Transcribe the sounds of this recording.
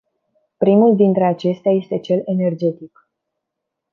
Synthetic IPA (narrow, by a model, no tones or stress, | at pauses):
pɾimuld̪int̪ɾe̞at͡ʃe̞st̪eaje̞st̪e̞t͡ʃe̞lene̞rd͡ʒe̞t̪ik